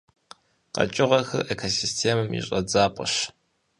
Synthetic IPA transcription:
qɐ̰t͡ʃʼɪʁɐxɨ̰rʔekʰosistʰeːmɨmḭɕʼɐd͡zaːpʼə̰ɕ

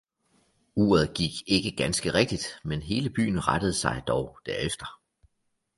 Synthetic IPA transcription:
uːɐð̞ˠɡ̥iɡ̥e̝ɡ̥əɡ̥ænsɡ̥əʁeɡ̥̚d̥id̥menɦe̝ːləb̥y̰ːn̩ʁɑd̥əð̞̩ˠsɑ̈ɪd̥ɒʊd̥æɐefd̥ɐ

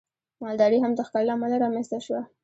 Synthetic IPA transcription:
mɑld̪ɑɾiɦamd̪əxkɑllamalaɾɑmanst̪aʃwa

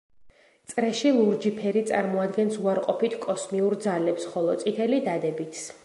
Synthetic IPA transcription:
t̪sʼɾɛʃilˠuɾd͡ʒipʰɛɾit̪sʼa̰ɾmɔad̪ɡɛnsuaɾqʼɔpit̪ʰkʼɔsmiuɾd̪zalɛpsχɔlˠɔt̪sʼit̪ʰɛlid̪ad̪ɛbit̪ʰs

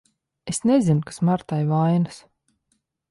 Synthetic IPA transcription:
esnezinukḁsmaɾt̪ajvajnas

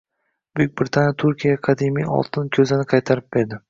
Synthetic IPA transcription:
bek̚ʲbɾɪt̪ʰanjat̪ʰʊɾkʲʰijaqʰɑd̪imijɒ̰lˠt̪ʰɪnkʲʰɵzɪnɪqʰɑjt̪ʰaɾɪp̚beɾd̪ɪ

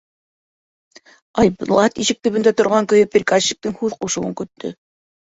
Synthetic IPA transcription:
ɑjblˠɑt̪iʃɘ̆k̚t̪ɵ̆βɘ̆nd̪æt̪ŏɾʁɑŋkɵ̆jɵprʲikaɕːi̥k̚t̪ɤŋhʉðquʃɤ̆ɤŋkɵ̆t̪ːɵ̰

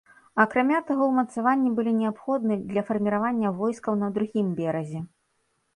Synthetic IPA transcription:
ɐkɾamʲat̪aɣɔwmɐt̪savanʲːibɨlʲinʲɛapxɔd̪̚nɨd̪lʲɐfɐrmʲiɾavanʲːɐvɔjskɐwnɐd̪ɾuɣʲimbʲɛɾɐzʲɛ

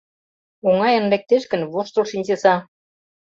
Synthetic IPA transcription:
oŋɑjə̆nlek̚t̪eʃkə̆nβoʃt̪ŏlʃinʲt͡ɕesɑ

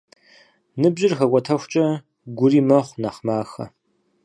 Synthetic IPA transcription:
nɨbʑɪrxɐkʷʼɔtʰɐxʷt͡ʃʼɐ | ɡʷʊriːmɐχʷnaχmaːxɐ̰

